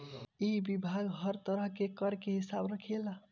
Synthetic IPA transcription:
eɦibibʱaɡɦəɾt̪əɾəɦkekəɾkeɦisabɾəkʰela

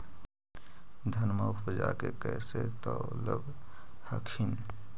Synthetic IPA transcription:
d̪ʱənmaəd͡ʒakekɛset̪ɔləbhəkʰin

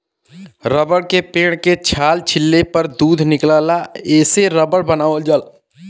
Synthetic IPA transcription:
ɾəbəɽkepeːɽ̃ket͡ʃʰaːlt͡ʃʰɪlːepəɾd̪uːd̪ʱnɪklaːlaeːseɾəbəɽbənaːʋəld͡ʒəl

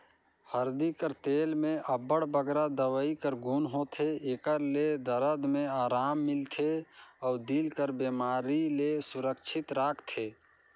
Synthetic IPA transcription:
həɾd̪ikəɾt̪eːlmẽʔəbəɽbəɡɾad̪əwəikəɾɡʱuːnɦot̪ʰeekəɾled̪əɾəd̪mẽaːɾaːmːɪlt̪ʰeɔːɾd̪iːlkəɾbeːmaːɾilesʊɾəkt͡ʃʰɪt̪ɾaːkʰt̪ʰeː

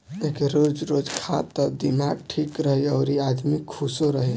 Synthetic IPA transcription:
ekeɾod͡ʒɾod͡ʒkʰat̪ːəd̪imaɡ̚ʈʰikɾəɦiəʊɾiad̪mikʰːusoɾəɦi

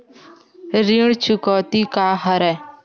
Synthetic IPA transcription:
ɾiɽt͡ʃʰukɔːt̪iːkaːɦəɾɛː

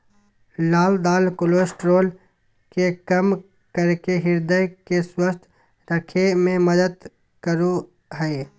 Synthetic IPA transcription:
laːld̪aːlkoloːsʈɾoːl | kekəm | kəɾkeɦɪɾd̪əjkeswəst̪ʰ | ɾəkʰemẽməd̪əd̪ | kəɾu | ɦɛe

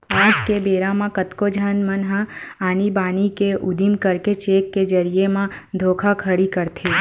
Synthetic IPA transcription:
aːd͡ʒkebeːɾamãkət̪kod͡ʒʱənmənɦãaːnibaːnikeʔʊd̪imkəɾket͡ʃeːkːed͡ʒəɾijemãd̪ʱoːkʰakʰəɽikəɾt̪ʰe

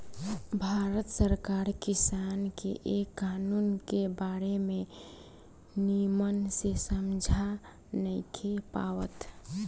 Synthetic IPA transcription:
bʱaɾət̪səɾkaɾkisankeʔekːanunkebaɾeme | nimənsesəmd͡ʒʱa | nəɪkʰepawət̪

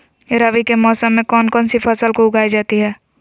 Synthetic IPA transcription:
ɪɾaʋikemɔːsəmːẽkɔːnkɔːnsipʰəsəlkoʊɡʱaːid͡ʒaːt̪iɦɛː

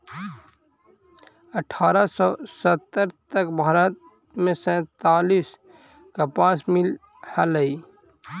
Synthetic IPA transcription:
əʈʰaːɾasɔːsət̪ːəɾt̪əkbʱaːɾət̪̚ | mẽsɛ̃ːt̪aːliːs | kapãːsmɪl | haləiː

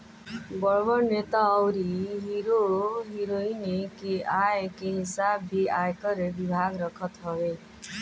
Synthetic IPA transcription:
bɔɭbɔnet̪aːwɾiɦiɾoɦiɾoinekeajekeɦisabʱiajkɔɾebibʱaɡɾɔkʰɔt̪ɦɔbe

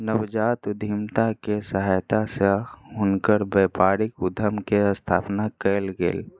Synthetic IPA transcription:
nəwd͡ʒaːt̪ʊd̪ʱimt̪akesəɦaːjt̪aseɦʊnkəɾbeːpaːɾɪkʊd̪ʱəmkeəst̪ʰaːpnakɛlɡḛːl

